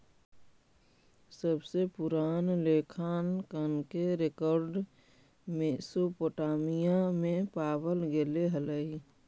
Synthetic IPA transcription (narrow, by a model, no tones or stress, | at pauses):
səbsepʊɾaːnleːkʰaːnkənkeɾekɔːɾɖ | mẽsopoʈaːmijamẽpaːbəlɡeleɦələi